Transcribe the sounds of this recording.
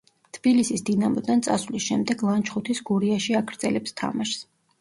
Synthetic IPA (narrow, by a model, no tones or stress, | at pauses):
t̪ʰb̥ilisisd̪inamɔd̪ant̪sʼa̰svlisʃɛmd̪ɛɡlˠant͡ʃʰχut̪ʰisɡuɾiaʃiakʰɾd̪zʼɛlɛpst̪ʰa̰maʃs